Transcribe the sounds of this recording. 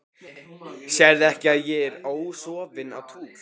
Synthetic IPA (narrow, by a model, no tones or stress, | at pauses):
sjɛɾðɛhcɪaðjɛɾoːwsɔːvɪna̰wt̪ʰuːl